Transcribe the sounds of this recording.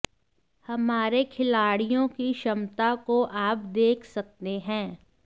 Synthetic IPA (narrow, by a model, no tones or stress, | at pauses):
hɐmaːɾekʰɪlaːɽijõkiʃɐmt̪akoʔaːp̚d̪eːkʰsɐk̚t̪eɦɛ̃ː